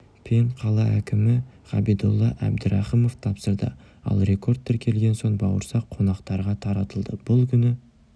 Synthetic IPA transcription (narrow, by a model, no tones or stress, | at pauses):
pʰeɴqʰɑlˠɑækʲɪmɪʁ̥ɑbijd̪ulˠːɑʔæ̰bd̪ɪɾɑχimo̞ft̪ʰɑpsəɾd̪ə̰ | ɑ̰lˠɾe̞kʰo̞rt̪̚t̪ːeɾkʲʰe̞lɡʲe̞nso̞ɴbɑwəɾsɑqʰːo̞nɑqt̪ɑɾʁɑt̪ʰɑɾɑt̪əlˠd̪əb̥ʊlˠkʲʰʏnɪ